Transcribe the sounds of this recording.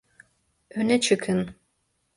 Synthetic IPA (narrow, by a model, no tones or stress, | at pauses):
ønɛt͡ʃʰɨkʰɨn